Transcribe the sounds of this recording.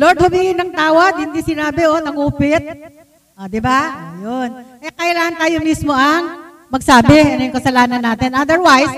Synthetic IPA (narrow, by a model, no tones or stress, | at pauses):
loɹd̪̚hʊwiɡɪnɐŋt̪aːwɐd̪̚hɪnd̪isɪnaːbɛʔonɐŋuːpɪt̪̚ | ʔod̪ɪbaɐjonkɐjakɐɪlaːhɐnt̪aːjomismo̞ʔɐŋ | mɐɡ̚saːbɛɐnojʊŋkɐsɐlaːnɐnːaːt̪ɪnʔɐd̪ɛɹwajs